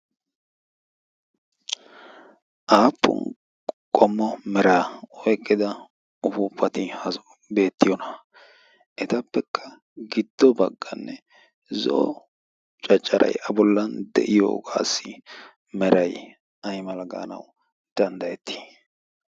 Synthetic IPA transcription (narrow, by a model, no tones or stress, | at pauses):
ʔaːpʰːʊ̰n | kʼɔmːɔmɛɾaːɔjkʼːɪd̪ɐ | ʊfuːpʰːɐt̪ɪhɐ | be̞ːt̪ːɪjɔnɐ | ʔɛt̪ɐpːɛkʰːɐ̥ | ɡɪd̪̥ːɔbɐɡːɐnːɛ | zɔ̰ʔː | t͡ʃʼɐt͡ʃʼːɐɾʔɐ̰jʔɐbɔlːɐnd̪ɛ̰ʔɪjo̰ːɡa̰ːsːɪ | mɛɾɐj | ɐjmɐlɐɡa̰ːnɐ̰w | d̪̥ɐnd̪ɐjɛt̪ʰːi̥